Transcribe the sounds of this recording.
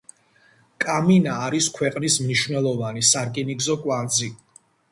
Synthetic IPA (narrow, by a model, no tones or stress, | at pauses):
kʼaminaːɾiskʰwɛqʼnismniʃwnɛlˠɔvanisaɾkʼiniɡzɔkʼwand̪zi